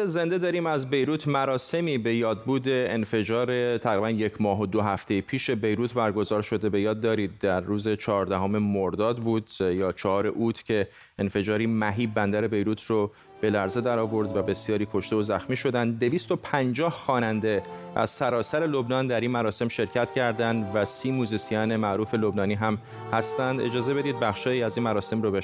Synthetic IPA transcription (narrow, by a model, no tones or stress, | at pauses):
eze̞nd̪e̞d̪ɒːɾiːmæzbe̞jɾuːt̪ʰmæɾɒːse̞miːbe̞jɒːd̪̚buːd̪e̞ːnfe̞d͡ʒɒːɾe̞t̪ʰæɣɾibænje̞cʰmɒːɦod̪oɦæft̪ʰe̞jipʰiːʃe̞be̞jɾuːt̪ʰbæɾɡo̞zɒːɾʃo̞d̪e̞be̞jɒːd̪ːɒːɾiːd̪̚d̪æɾːuːze̞t͡ʃʰɒːɒːɾd̪æɦome̞moɾd̪ɒːd̪buːd̪jɒːt͡ʃʰɒhɒːɾe̞ʔuːt̪ʰcʰe̞ | enfe̞d͡ʒɒːɾiːmæɦiːbænd̪æɾe̞be̞jɾuːt̪ʰro | b̥e̞læɾze̞d̪æɾɒːvo̞ɾd̪væbe̞sijɒːɾiːkʰo̞ʃt̪eozæxmiːʃo̞d̪ænd̪dːe̞viːst̪o̞pʰænd͡ʒɒːhxɒːnænd̪e̞ | ʔæ̰z̥sæɾɒːsæɾe̞lobnɒːnd̪æɾiːnmæɾɒːse̞mʃe̞ɾcʰæt̪ʰcʰæɾd̪ænd̪væsiːmuːzisijɒːne̞mæʔɾuːfe̞lo̞bnɒːniːɦæm | hæst̪ænd̪e̞d͡ʒɒːze̞be̞d̪iːd̪̚bæxʃɒːjiːæziːnmæɾɒːse̞mɾobe